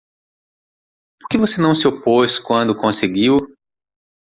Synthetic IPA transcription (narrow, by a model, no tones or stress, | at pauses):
poɾkevosenɐ̃w̃sɪoposkwɐ̃nd̪ʊkõseɡiw